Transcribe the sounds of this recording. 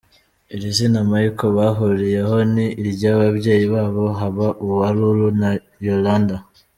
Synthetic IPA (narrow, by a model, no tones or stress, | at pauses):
iɾizinamajikoβaɦuɾije̞ɦo̞niːɾɟaːβabɟe̞ːjiβaːβo̞ɦaβaʔuβuhaɾuɾuna | jolaːnda